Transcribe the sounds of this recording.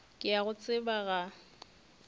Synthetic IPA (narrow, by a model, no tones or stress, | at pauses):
kʼɪaɣʊt͡sʼɪbaɣa